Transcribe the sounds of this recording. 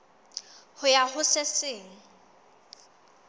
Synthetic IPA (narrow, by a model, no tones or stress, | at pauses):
hʊjahʊsɪsɪːŋ̩